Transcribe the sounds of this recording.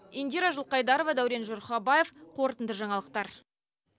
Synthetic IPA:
end̪ʲiɾaʒʊlˠqɑjd̪ɑɾo̞vɑd̪æwɾe̞nʒorχɑbaje̞fqʰo̞ɾt̪ənd̪əʒɑɴɑlˠəq̚t̪ɑɾ

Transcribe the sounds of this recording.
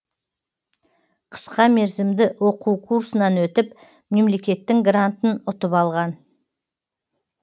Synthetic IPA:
qʰə̥sqɑmeɾzɪmd̪ɪwo̞quwkʰuɾsənɑnwɵt̪ɪp | me̞mle̞kʲe̞t̪ːɪŋɡrant̪ənʊt̪əpɑlˠʁɑn

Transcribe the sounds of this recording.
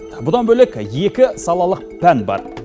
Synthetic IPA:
bʊd̪ɑnbɵlekʲje̞kʲɪsɑlˠɑlˠəq̚pʰænbɑ̰ɾ

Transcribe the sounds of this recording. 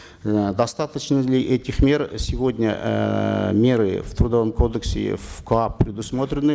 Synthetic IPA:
d̪ɐst̪at̪ət͡ɕnəlʲɪʔɛtʲɪxmʲe̞rsʲɪvo̞dʲnʲə̰ | mʲe̞ɾɨ̰ft̪ɾud̪ɐvəmkʰo̞d̪əksʲɪ̰vklˠapːɾʲɪd̪ʊsmo̞t̪ɾʲɪnɨ

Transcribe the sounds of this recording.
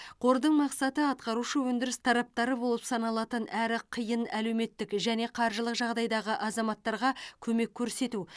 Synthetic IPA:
qʰo̞ɾd̪əɴmɑqsɑt̪əɑt̪qɑɾuʃəwɵnd̪ɪɾɪst̪ʰɑɾɑp̚t̪ɑɾəbo̞lˠəpsɑnɑlˠɑt̪ənæɾɪqʰəjənæle̞wme̞t̪ːɪkʒæne̞qʰɑɾʒəlˠəqʒɑʁd̪ɑjd̪ɑʁəʔɑzɑmɑt̪ːɑɾʁɑkʲʰɵme̞kʲʰːɵɾse̞t̪u

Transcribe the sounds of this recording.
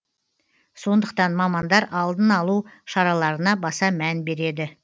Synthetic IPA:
so̞nd̪əqt̪ɑnmɑmɑnd̪ɑɾɑlˠd̪ənɑlˠuʃɑɾɑlˠɑɾənɑbɑsɑmænbe̞ɾe̞d̪ɪ

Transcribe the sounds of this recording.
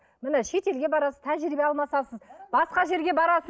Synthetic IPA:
mɪnɪʃe̞t̪e̞lɡʲebɑɾɑsəz̥t̪ʰæʒɾibeɑlˠmɑsɑsəzbɑsqɑʒe̞ɾɡʲe̞bɑɾɑsə

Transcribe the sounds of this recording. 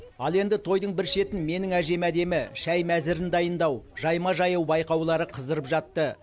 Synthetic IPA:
ɑlˠe̞nd̪ɪt̪ʰo̞jd̪əɴbɪɾʃe̞t̪ɪnme̞nɪŋæʒe̞mæd̪e̞mɪʃæjmæzɪɾɪnd̪ɑjənd̪ɑwʒɑjmɑʒɑjɑwbɑjqɑwlˠɑɾəqʰəzd̪əɾəpʒɑt̪ːə

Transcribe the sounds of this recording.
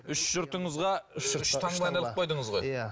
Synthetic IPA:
ʏʃʒ̥ʊɾt̪əɴəzʁɑʃʰɑɑɑlˠəpqʰojd̪əɴəzʁojjæ

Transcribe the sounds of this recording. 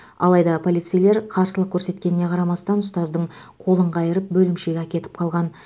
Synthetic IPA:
ɑ̰lˠɑjd̪ɑpʰo̞lʲˠijt̪sɨjle̞ɾqʰɑɾsəlˠəqkʲʰɵɾse̞t̪kʲe̞nɪne̞qʰɑɾɑmɑst̪ɑnʊst̪ɑzd̪əɴ | qʰo̞lˠəɴqɑjəɾəp̚bɵlɪmʃe̞ɡʲeækʲe̞t̪ɪ̥p̚qʰɑlˠʁɑn

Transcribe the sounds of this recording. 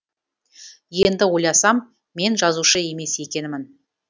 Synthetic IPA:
je̞nd̪ɪwo̞jɑsɑmː | e̞nʒɑzuʃəe̞me̞se̞kʲe̞nɪmɪn

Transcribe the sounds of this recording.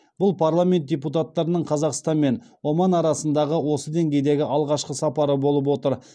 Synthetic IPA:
b̥ʊlˠpʰaɾrlˠamʲe̞nt̪̚dʲeput̪̬at̪ːɑɾənəɴqʰɑzɑqst̪ɑnme̞nwomɑnɑɾɑsənd̪ɑʁəwo̞səd̪e̞ŋɡʲe̞jd̪e̞ɡʲɪʔɑlˠʁɑʃqəsɑpɑɾəbo̞lˠəp̬wo̞t̪əɾ

